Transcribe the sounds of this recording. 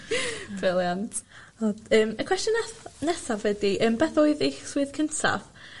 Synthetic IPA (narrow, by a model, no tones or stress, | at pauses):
b̥rɪlˠjantʰ | ɔdəːməkʰw̥ɛstjɔnɛθnɛsavɛdiʔəːmbɛθoːɨðeχswɨðkʰəntʰa̰v̥